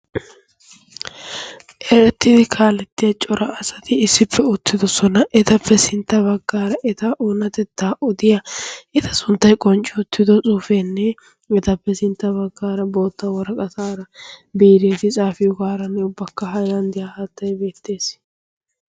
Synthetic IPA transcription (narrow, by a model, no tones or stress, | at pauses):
ʔɛɾɛt̪ːɪd̪ɪkʰaːlɛt̪ːɪjɐt͡ʃʼɔɾʔɐɐsɐt̪ɪːsːɪpːɛʊt̪ʰːɪd̪ɔsɔnɐʔɛt̪ɐpʰːɛsɪnt̪ːɐbɐɡːaːɾɐʔɛt̪ɐʔunɐt̪ɛt̪ːaːʔɔd̪ɪjɐʔɛt̪ʰɐsʊnt̪ːɐjkʼɔnt͡ʃʼːɪʊt̪ːɪd̪ɔt͡sʼuːfenːɛ | ɛt̪ɐpːɛsɪnt̪ːɐbɐɡːaːɾɐbo̞ːt̪ːɐwɔɾɐkʼɐsaːɾɐbiːɾeːt̪ɪt͡sʼaːfɪjɔɡaːɾɐnːɛʊbːɐkːɐɦɐjɾɐnd̪ɪjahaːt̪ːɐjbe̞ːt̪ːe̞ːs